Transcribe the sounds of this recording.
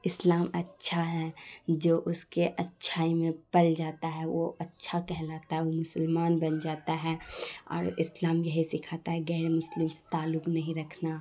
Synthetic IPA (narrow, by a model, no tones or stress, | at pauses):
ɪslaːmɐtːʃʰaɦɛd͡ʒoːʔʊskeʔɐtːʃʰaːimẽpɐld͡ʒaːt̪aɦɛʋo̰ɐtːʃʰakɛɦlaːt̪aɦɛʋomʊsəlmaːnbɐnd͡ʒaːt̪aɦɛɔ̰ːɾɪslaːmjɐɦisɪkʰaːt̪aɦɛɡɛːɾemʊslɪmse̥t̪aːlːʊknɐɦĩɾɐkʰna